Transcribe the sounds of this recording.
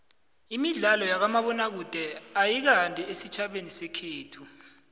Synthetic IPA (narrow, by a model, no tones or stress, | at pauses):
imiɮalɔjak̬amaɓɔnak̬ud̥ʱɛajik̬antʼɛesit͡ʃʰaɓenisɛkʰeːtʰu